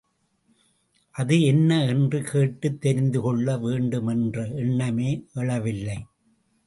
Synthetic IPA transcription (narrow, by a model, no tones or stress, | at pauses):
ʔɐðɯɛnːɐɛndrɯkʰeːʈːɯt̪ːɛɾɪnd̪ɯkɔɭːɐʋeːɳɖɯmɛndrɐɛɳːɐmeːɛɭɐʋɪlːɐɪ